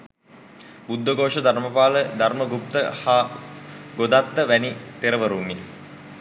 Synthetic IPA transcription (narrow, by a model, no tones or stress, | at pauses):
bud̪ʋəɡoːʂəd̪ʱaɾməpaːləd̪arməɡup̚t̪əha | ɡod̪at̪ːəʋænit̪eɾəʋəɾumːi